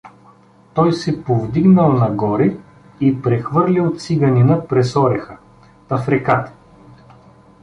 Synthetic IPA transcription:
t̪ɔjsɛpovd̪iɡnəlˠnɐɡɔɾi | ipɾɛxvɤɾlʲilˠt̪siɡɐninəpɾɛsɔɾɛxə | t̪ɐfɾɛkat̪

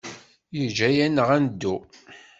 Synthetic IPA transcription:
jəd͡ʒæjænəʁænd̪ːu

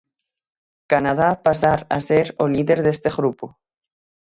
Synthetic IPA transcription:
kanað̞apasaɾaseɾoliðeɾðest̪eɣɾupo

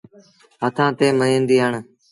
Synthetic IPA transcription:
ɦət̪ʰãːt̪eːmənĩːnd̪iːɦəɳ

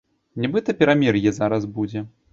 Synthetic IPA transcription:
nʲɛbɨt̪ɐpʲɛɾamʲirjɛzaɾɐzbud͡zʲɛ

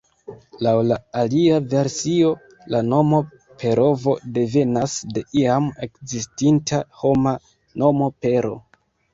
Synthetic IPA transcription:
lawlaaliave̞ɾsio̞ | lano̞mo̞ | pʰe̞ɾo̞vo̞de̞ve̞nasde̞ʔiame̞kzistintʰaho̞ma | no̞mo̞pe̞ɾo̞̰

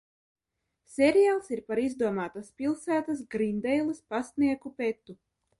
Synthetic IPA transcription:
sʲeɾijalˠsiɾpaɾizd̪uɔmaːt̪aspʲilˠsæːt̪as̬ɡɾind̪ɛjlˠispasniɛkupet̪ːu

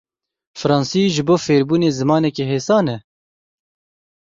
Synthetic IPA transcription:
fɨɾɑːnsiːʒɨboːfeːɾbuːneːzɨmɑːnɛkeɦeːsɑːnɛ

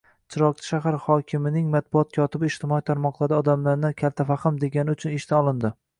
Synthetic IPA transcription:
t͡ʃʰɪɾɒqt͡ʃʰɪ̥ʃaɦaɾhɒkʲʰɪmɪnɪŋmat̪̚bʊɒt̪̚kʲʰɒt̪ʰɪbɪːʃt̪ʰɪmɒit̪ʰaɾmɒqlˠaɾd̪aɒd̪amlaɾnɪkʲʰalt̪ʰafaχɨmd̪e̞ɡʲanɪʊt͡ʃʰʊnɪʃt̪ʰaɒlˠɪnd̪ɪ

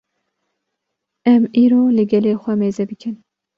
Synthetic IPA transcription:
ɛmiːɾoːlɨɡɛleːxʷɛmeːzɛbɨkʰɨn

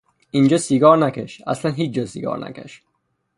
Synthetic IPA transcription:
ʔind͡ʒɒːsiɡɒːɾnækʰʲeʃæ̰slænɦiːt͡ʃ̚d͡ʒɒːsiɡɒ̰ːɾnʔæ̰kʰæ̰ʃ

